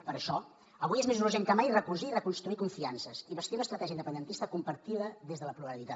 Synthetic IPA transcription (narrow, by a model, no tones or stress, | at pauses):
pəɾəʃɔ | əβ̞ujezmezuɾuʒeŋkəmajrəkuziːrəkunst̪ɾuikuɱfiansəziβəst̪iunəst̪ɾət̪ɛʒiəind̪əpənd̪ənt̪ist̪əkumpəɾt̪iðəðezðələpluɾəlit̪a